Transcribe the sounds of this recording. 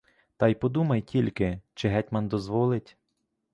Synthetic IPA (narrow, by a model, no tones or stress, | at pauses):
t̪ɑjpɔd̪umɐjtʲilʲkɪt͡ʃɪɦɛtʲmɐnd̪ɔzʋɔlˠɪtʲ